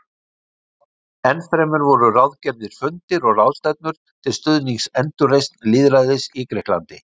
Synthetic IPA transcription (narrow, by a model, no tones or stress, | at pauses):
ɛnfɾɛjmʏɾvɔɾʏrawðcɛɾðɪɾ̥fʏnt̪ɪɾɔɣrawð̥st̪ɛt̪̚nʏɾ̥ | t̪ʰɪlst̪ʏðniŋksɛnt̪ʏrejst̪nliːðɾaðɪsikɾɛhkla̰nt̪ɪ